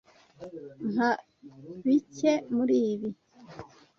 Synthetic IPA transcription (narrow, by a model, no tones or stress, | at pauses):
n̥ha | βicemuɾiːβi